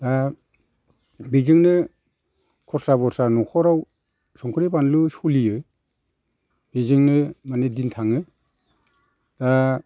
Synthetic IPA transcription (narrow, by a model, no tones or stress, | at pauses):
da | bizɯŋnɯ | kʰɔɾsabɔɾsanɔkʰɔɾaw | sɔŋkʰɯɾipanlusulijɯ | bizɯŋnɯmanedintʰaŋɯ | d̥a